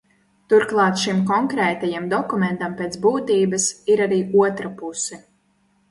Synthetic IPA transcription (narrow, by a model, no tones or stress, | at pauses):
t̪uɾklˠɑːt̪ʃimkɔŋkɾɛːt̪ajamd̪ɔkumɛnt̪ampʲeːt̪sbuːt̪iːbɐsiɾaɾiːʔuɔt̪ɾapusɛ